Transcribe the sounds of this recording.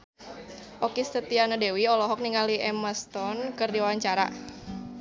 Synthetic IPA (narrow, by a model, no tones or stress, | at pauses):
ʔɔkist̪ət̪ianadewiɔlɔɦɔk̚niŋaliʔɛməst̪ɔnkɨrdiwawaɲt͡ʃaɾa̰